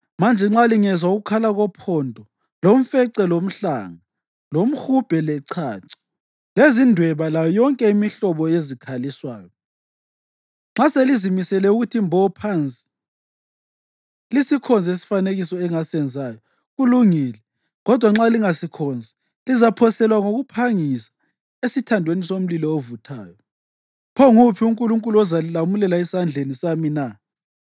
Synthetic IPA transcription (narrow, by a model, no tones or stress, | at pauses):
mand͡ʒʱɛŋ͡ǁaliŋɛzwauɣukʰalaɣɔpʰɔndʱɔ | lom̩fɛǀɛlom̩ɬa̰ŋa | lom̩hub̥ʱɛlɛǀʰaːǀi̥ | lezindʱwɛβalajɔjɔŋkʼɛimiɬɔβɔezikʰaliswaːjɔ | ŋ͡ǁaselizimisɛlɛuɣutʰimbʱɔpʰant͡sʼi̥ | lisikʰɔnd͡zʱesi̥faneɣisɔɛŋasɛnd͡zʱaːjɔ | ɣuluŋiːlɛ | ɣɔd̥ʱwaŋ͡ǁaliŋasikʰɔnd͡zʱi | lizapʰɔsɛlwaŋoɣupʰaŋisḁ | esitʰandʱwenisom̩lilɔovutʰa̰ːjɔ | pʰɔŋupʰiuŋkʼuluŋkʼuluɔzalilamulɛlaɛsand͡ɮʱenisamina